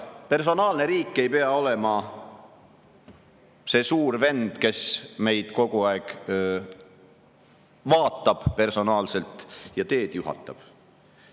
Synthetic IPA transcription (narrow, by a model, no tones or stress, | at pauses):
pe̞rs̬o̞nɑːlne̞ɾiːkːˑe̞jpeɑo̞le̞mɑ | se̞ːsuːrve̞nd̪̥ke̞sme̞jd̪̥ko̞ɡ̥uɑeɡ̥ | vɑːt̪ːˑɑb̥pe̞rso̞nɑːlse̞lt̪ˑjɑt̪e̞ːd̪̥juɦɑ̰t̪ːˑɑb̥